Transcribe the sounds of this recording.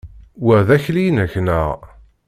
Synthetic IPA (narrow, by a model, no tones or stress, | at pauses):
wəʁðæçlijnæçnəʁ